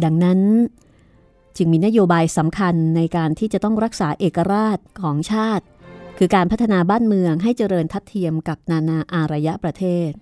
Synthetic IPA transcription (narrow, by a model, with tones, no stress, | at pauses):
da˧ŋna˦˥n | t͡ɕɯ˧ŋmiː˧na˦˥joː˧baː˧jsa˩˦mkʰa˧nːa˧jkaː˧nt̪ʰiː˥˩t͡ɕa˨˩t̪ɔ˥˩ŋɾa˦˥k̚saː˩˦ʔeː˨˩kːa˧ɾaː˥˩t̪̚kʰɔː˩˦ŋt͡ɕʰaː˥˩t̪̚kʰɯː˧kaː˧npʰt̪ʰːa˧naː˧baː˥˩nmɯ˧əŋɦa˥˩jt͡ɕa˧ɾɤː˧nt̪ʰa˦˥t̪ʰːi˧əmka˨˩p̚naː˧naː˧ʔaː˧ɾa˧ja˦˥ʔpɾa˧t̪ʰeː˥˩t̪̚